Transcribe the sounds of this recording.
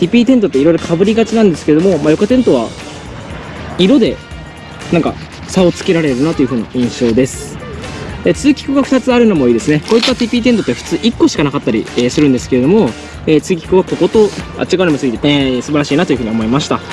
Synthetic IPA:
t̪ʲipʲiːt̪̬ent̪̬o̞t̪ːeiɾo̞iɾo̞kʰabɯ̟ɾʲiɡat͡ɕinãnd̪e̞sɨ̥kee̞d̪o̞momajo̞kat̪ẽ̞nt̪o̞β̞a | iɾo̞d̪e̞ | nãŋka̰ | sao̞t͡sɨ̥ke̞ɾaɾe̞ɾɯ̟nat̪o̞iɯ̟ɯ̟ːna̰ʔĩɰ̃ɕo̞ːd̪e̞sɨ̥ | et͡sɨːkʲi̥kɯ̟ɡaɸɯ̟̥t̪at͡sɨaɾɯ̟no̞mo̞iːd̪e̞sɨneko̞ːit̪ːat̪ʲiːpʲiːt̪ent̪o̞t̪ːeɸɯ̥t͡sɨːʔikːo̞ɕi̥kanakat̪ːaɾʲḭeːsɨɾɯ̟̃nd̪e̞sɨ̥ke̞ɾe̞d̪o̞mo̞ | eːt͡sɨːkʲi̥kɯ̟βako̞ko̞t̪o̞a̰t͡ɕːiɡanimsɨɡʲit̪enesɨbaɾaɕiːnat̪o̞iɯ̟ɯ̟io̞mo̞imaɕi̥t̪a

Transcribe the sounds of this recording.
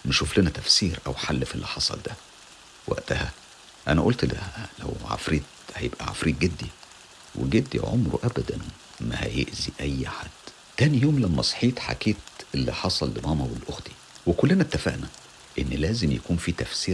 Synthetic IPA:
meʃʃuflenæt̪æfsiːɾʔæwħalːfilːiħɑsˤɑ̰ld̪æ | wʔæ̰ʔt̪æhæ | ʔænæʔolt̪llæ̰wʕa̰fɾiːd̪hæjebʔæ̰ʕa̰fɾiːt̪̚ɡed̪ːi | wʔḛɡed̪ːḭʕo̰mɾṵʔæbæd̪æn | mæhæ̰jḛʔziʔæjːħad̪̥ | t̪æːnijoːmlæmːæsˤħiːt̪ħa̰keːt̪ʔelːiħɑsˤɑlːemɑːmæwelːʔoxt̪i̥ | wekolːenæt̪ːæfæ̰ʔnæ | ʔenːlæːzemjæ̰kuːnfiːt̪æfsiːɾ

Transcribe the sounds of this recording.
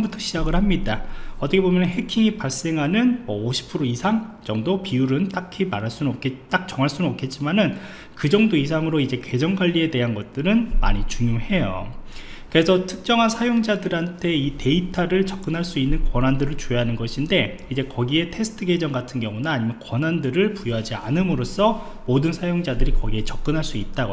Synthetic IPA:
butʰʌɕʰid͡ʑaɡɯɭhamɲidaʌt͈ʌkʰebomjʌnnɦe̞kʰiŋipaɭs͈e̞ŋɦanɯnmwʌoɕʰi̥pʰɯɾoisʰaŋd͡ʑʌŋdopiuɾɯnt͈akʰimaɾɦaɭs͈unoet͈ak̚t͡ɕ͈ʌŋɦaɭs͈unnok͈̚e̞t̚t͡ɕ͈imanɯn | kɯd͡ʑʌŋdois̬ʰaŋɯɾoid͡ʑe̞ke̞d͡ʑʌŋɡwaʎːie̞de̞ɦanɡʌt̚t͈ɯɾɯnma̰ɲit͡ɕuŋjumhe̞jo̰ | kɯɾe̞sʰʌtʰɯ̥k̚t͡ɕ͈ʌŋɦansʰajoŋd͡ʑadɯɾɦantʰe̞ite̞itʰaɾɯɭt͡ɕʌk̚k͈ɯnɦaɭs͈uinːɯnkwʌnandɯɾɯɭt͡ɕoɦanɯnɡʌɕʰinde̞ | id͡ʑe̞kʌɡie̞tʰe̞sʰɯ̥tʰɯɡe̞d͡ʑʌŋɡatʰɯnɡjʌŋunaːɲimjʌnkwʌnandɯɾɯɭpujʌɦad͡ʑia̰nɯmɯɾos͈ʰʌ | modɯnsʰajoŋd͡ʑadɯɾikʌɡie̞t͡ɕʌp̚k͈ɯnɦaɭs͈uit̚t͈aɡ

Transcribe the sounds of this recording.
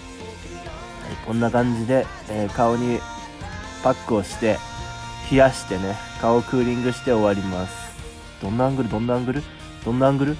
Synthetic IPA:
ha̰ikõ̞nːakãɲ̟d͡ʑid̪e̞ | eːkao̞ɲ̟i | pakːɯ̟o̞ɕi̥t̪e̞ | çiaɕi̥t̪e̞ne̞kao̞kɯ̟ːɾʲĩŋɡɯ̟ɕi̥t̪e̞o̞βaɾʲimasɨ̥ | d̪̥õ̞nːãŋɡɯ̟ɾɯ̟d̪õ̞nːãŋɡɯ̟ɾɯ̟ | d̪̥õ̞nːãŋɡɯ̟ɾɯ̟

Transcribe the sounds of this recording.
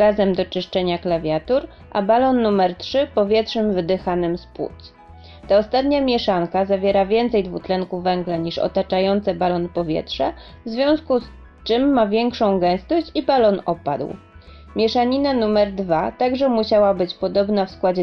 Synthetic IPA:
ɡazɛmd̪ɔt͡ʂɘʂt͡ʂɛɲaklavʲjat̪uɾ | ʔa̰balɔnːumɛɾtʂɘpɔvʲjɛtʂɛmvɘd̪ɘxanɘmspwṵt̪s | t̪aɔst̪at̪ɲamʲjɛʂaŋkazavʲjɛɾavʲjɛnt̪sɛjd̪vut̪lɛŋkuvɛŋɡlaɲiʂɔ̰t̪at͡ʂajɔnt̪sɛbalɔnpɔvʲjɛ̰tʂɛ | vzvʲjɔ̃w̃skus | t͡ʂɘmːavʲjɛŋkʂɔ̃w̃ɡɛ̃w̃st̪ɔɕt͡ɕibalɔnɔpa̰d̪w | mʲjɛʂaɲinanumɛɾd̪vat̪aɡʐɛmuɕawabɘt͡ɕpɔd̪ɔbnafskwad͡ʑɛ

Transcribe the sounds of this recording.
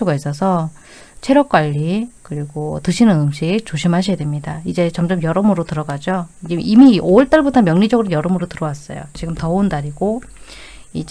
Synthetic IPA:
oɡais͈ʌs̬ʰʌ | t͡ɕʰeɾjʌk͈̚waʎːikɯɾiɡotɯɕʰinɯnɯmɕʰiɡt͡ɕoɕʰimɦaɕʰijadwemɲidaid͡ʑe̞t͡ɕʌmd͡ʑʌmjʌɾʌmɯɾotɯɾʌɡad͡ʑoid͡ʑeʔimioɯɭt͈aɭbutʰʌmjʌŋɲid͡ʑʌɡɯɾʌnjʌɾʌmɯɾotɯɾʌwas͈ʌjo̰t͡ɕiɡɯmtʌondaɾiɡo | id͡ʑ

